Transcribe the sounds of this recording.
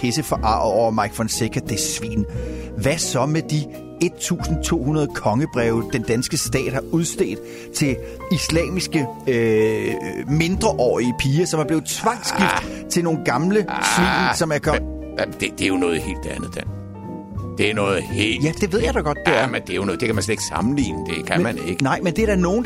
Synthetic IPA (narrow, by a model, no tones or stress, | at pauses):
esəfɒʔɑ̰̈ːɒʊɐmɑ̈ɪɡ̥fɒnsekʰɐd̥esʋḭːnʋæsɒ̽med̥i | e̝d̥̚t͡sʰṵːsn̩t͡sʰo̝̰ːhunɐð̞ˠkʰɒ̽ŋəb̥ʁɛʊd̥end̥ænsɡ̥əsd̥ɛ̰ːd̥hɑ̈ʔuð̞ˠsd̥ḛːd̩ˠ | t͡sʰe̝l | islɛ̰ːmisɡ̥ə | me̝nd̥ʁɐʔɒ̰ːiəpʰiːɐsɒmæɐb̥le̝ːð̩ˠt͡sʰʋɑ̈ŋ̥sɡ̥ifdd̥t͡sʰe̝lno̝ːn̩ɡ̥ɑ̈mləsʋḭːsɒ̽mæɐkʰɒ̽ | d̥ed̥e̝æjonɔːð̩ˠhe̝̰ːld̥ænð̩ˠd̥en | d̥e̝æɐnɔ̽ːð̩ˠhḛːljæd̥e̝ʋe̝ð̞ˠjɑd̥ɑɡ̥ɒ̽d̥̚ːæɐ̰mend̥e̝æjonɔːd̥e̝kʰæmænsled̥e̝ɡ̥sɑ̈mn̩lḭːnəd̥e̝kʰæmæneɡ̥ənɑ̈ɪ̰mend̥e̝ɐɾæno̝ːn̩